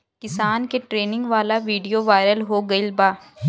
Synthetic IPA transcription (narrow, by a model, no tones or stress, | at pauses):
kɪsaːnkeʈɾeːnɪ̃ŋɡʋaːlaʋiːɖijoʋaːɪɾəlɦoɡɐɪlbaː